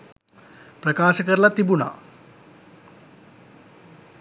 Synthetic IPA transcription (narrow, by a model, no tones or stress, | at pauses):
prɐkaːʃɐkəɾlɐt̪ibuna̰